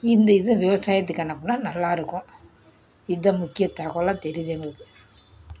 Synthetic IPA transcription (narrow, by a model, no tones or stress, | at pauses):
ɪnd̪ɐɪðɐ̃ʋɪʋɐsaːjɐt̪̬ːɯkːɐnːɐpːɯnːaːnɐlːaːɪɾɯkːʊ̃ | ɪðɐmʊkːɪjɐt̪ːaːɣɐlãːt̪ɛɾɪðeːŋɡɐɭɯkːɯ